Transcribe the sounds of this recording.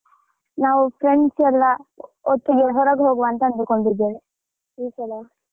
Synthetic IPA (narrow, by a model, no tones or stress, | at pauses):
naːʋupʰɾeɳɖsɛlːɐ | ɔt̪ːiɡeɦɔɾaɡɦoːɡuʋɐnt̪ɐɐnd̪ukoɳd̪id̪ːeːʋe | isɐlo